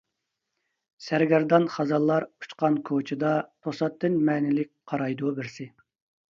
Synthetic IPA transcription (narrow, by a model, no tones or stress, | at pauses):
sæɾɡʲɛɾd̪ɑnχɑzɑlˠːɑɾu̥t͡ʃqɑnkʰot͡ʃʰɪd̪ɑt̪ʰosɑt̪ʰːɪnmɛːnɪlɪk̚ʲqʰɑɾɑjd̪ubɪɾsɪ